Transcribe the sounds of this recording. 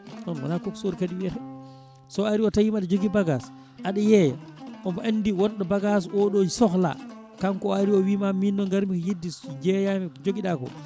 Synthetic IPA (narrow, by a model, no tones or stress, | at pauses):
nɔnwa̰nakoksoɾkaɗiwiaɛ | sɔaɾiɔtajimaɗɛd͡ʒoɡibaɡas | ʔaɗɛjɛja̰ʔɔmaʔanːdiwɔnɗɔbaɡasɔɗosɔxla̰ | kamkɔaɾiɔwimaminːɔŋɡaɾmikɔjedːisd͡ʒɛjamɛd͡ʒoɡiɗakɔ̰